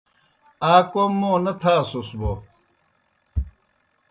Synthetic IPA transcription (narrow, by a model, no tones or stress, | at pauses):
aːkomːoːnɐt̪ʰaːsusbo